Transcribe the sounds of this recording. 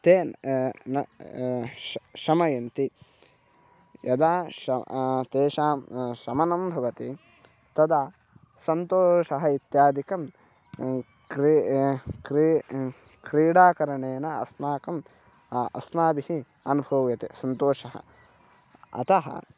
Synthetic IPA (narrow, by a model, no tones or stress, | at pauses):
t̪eːn | ʃɐmɐjɐnt̪i | jɐd̪aːʃɐt̪eːʃaːmʃɐmɐnɐmbʱɐʋɐt̪i | t̪ɐd̪aː | sɐnt̪oːʃɐɦɐit̪jaːd̪ikɐm | kɾ | kɾi | kɾiːɽaːkɐɾɐɳeːnɐɐ̰smaːkɐm | ɐ̰smaːbihi | ɐnubʱɐʋjɐt̪ḛsɐnt̪oːʂɐɦɐ̰ | ɐ̰t̪ɐɦɐ̰